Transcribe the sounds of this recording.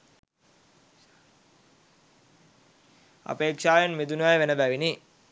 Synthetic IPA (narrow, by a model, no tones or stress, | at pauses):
a̰peːkʃaːjenmid̪unuʋajʋenəbæʋini